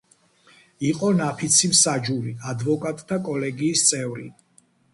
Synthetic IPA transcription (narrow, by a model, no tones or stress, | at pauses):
iqʼɔnapʰit̪sʰimsad͡ʒuɾiad̪vɔkʼat̪ʼt̪ʰːakʼɔlɛɡiːst̪sʼɛvɾḭ